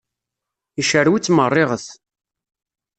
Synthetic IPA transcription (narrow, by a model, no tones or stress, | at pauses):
iʃəɾwit͡sːmərˤːɪʁəθ